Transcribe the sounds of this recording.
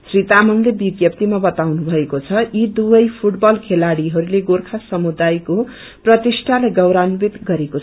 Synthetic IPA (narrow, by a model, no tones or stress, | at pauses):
srit̪amʌnd̪ʱebiɡjʌpt̪imabʌt̪awnubʱʌekot͡sʰʌjid̪uʌjpʰuʈbʌlkʰelaɽiɦʌɾuleɡorkʰasʌmud̪ajko | prʌt̪isʈʰalejɡʌwɾanbit̪ɡʌɾekot͡sʰ